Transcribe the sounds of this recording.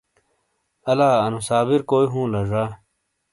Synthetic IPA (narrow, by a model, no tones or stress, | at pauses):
ɐlaːɐnusaːbiɾkoːiɦũːlɐʐaː